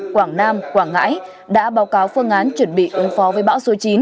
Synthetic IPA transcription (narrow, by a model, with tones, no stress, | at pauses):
kwaː˧˩ŋnaː˧mkwaː˧˩ŋːa̰ː˧˥j | ɗa̰ː˧˥ɓaː˨˦wkaː˨˦wfɨ˧əŋʔaː˨˦nt͡ɕwə˧˩nɓḭ˧˨ʔɨ˨˦ŋfɔ˨˦vəː˨˦jɓa̰ː˧˥wso˨˦t͡ɕi˨˦n